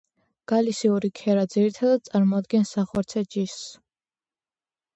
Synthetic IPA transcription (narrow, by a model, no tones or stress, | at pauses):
ɡ̥alisiuɾikʰɛɾad̪ziɾit̪ʰad̪ad̪̚t̪sʼaɾmɔad̪̚ɡɛnsaχɔɾt̪sʰɛd͡ʒisː